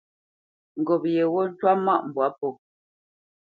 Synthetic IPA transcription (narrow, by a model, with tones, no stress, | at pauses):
ŋ̩˨ɡɔ˨p̚jɛ˨wɔ˦n̩˦t͡ʃwa˦ma˦ʔm̩˨bwa˨˦pɔ˨